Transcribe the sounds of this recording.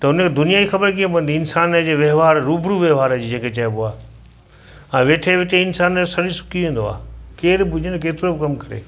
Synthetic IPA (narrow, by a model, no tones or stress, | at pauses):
t̪ɐʊnəkʰed̪ʊnijad͡ʑixɐbəɾkĩẽp̬ɐ̃ʋənd̪iɪnsaːnəd͡ʑeːʋeɦʋaːɾɾuːbɽuʋeɦʋaːɾəd͡ʑiːd͡ʑẽːkʰet͡ɕɐboaː | ɛ̃ːʋeːʈʰeʋɪʈeɪnsaːnsɐɽisʊ̥kʰiʋẽːn̆d̪oa̰ːkeːɾbʱʊd͡ʑʱənk̬eːt̪ɪɾobɪkɐmkɐɾḛː